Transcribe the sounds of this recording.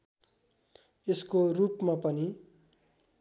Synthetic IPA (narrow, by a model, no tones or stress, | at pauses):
eskorupmapʌni